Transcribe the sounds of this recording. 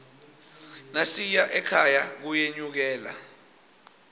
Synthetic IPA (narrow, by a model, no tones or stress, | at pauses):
nasijaʔɛkʰajak̬ujeɲuk̬ɛːla̰